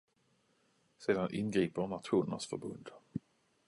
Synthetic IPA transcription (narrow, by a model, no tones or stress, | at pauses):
seːd̪anʔɪnɡɾiːpənat̪ɧuːnənɳa̰sfœ̰ɾbɵ̰nd̪